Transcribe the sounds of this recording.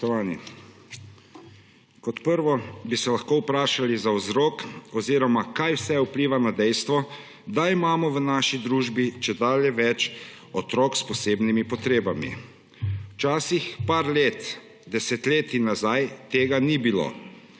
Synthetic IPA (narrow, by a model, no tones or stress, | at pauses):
ɔʋaːni | kɔt̪pəɾʋɔbisɛlaxkoːwpɾaːʃalizaɔzɾoːkɔziːɾɔmakajwsɛupliːʋanad̪ɛjst̪ʋɔ | d̪aimaːmɔʋənaːʃid̪ɾuːʒbit͡ʃɛd̪aːljɛʋɛt͡ʃ | ɔt̪ɾɔkspɔseːbnimipɔt̪ɾeːbamḭ | wt͡ʃaːsixpaːɾleːt̪ | d̪ɛsɛt̪leːt̪inːazajt̪eːɡanibilo̰ː